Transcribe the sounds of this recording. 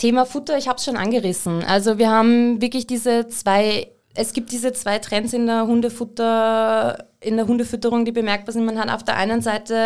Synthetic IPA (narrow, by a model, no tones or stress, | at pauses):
tʰeːmafʊtɐɪçhaːbsʃoːnʔa̰nɡəʁɪsn̩ʔa̰lzoviːɐhaːbm̩vɪɐklɪçd̥iːzət͡sv̥aɪ | ʔɛsɡ̥iːp̚td̥iːzət͡sv̥aɪtʁ̥ɛnsɪndeːɐɦʊndəfʊtɐ | ɪndeːɐɦʊndəfʏtəʁʊŋd̥iːbəmɛɐk̚b̥aːɐzɪntmanhata̰ʊfd̥eɐʔa̰ɪnənzaɪtə